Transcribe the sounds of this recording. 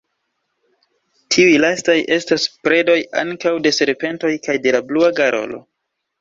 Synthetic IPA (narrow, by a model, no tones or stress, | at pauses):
tʰiujlastajʔe̞staspɾe̞do̞ja̰ŋkawde̞se̞ɾpe̞nto̞jkajde̞labluaɡaɾo̞̰lo̞̰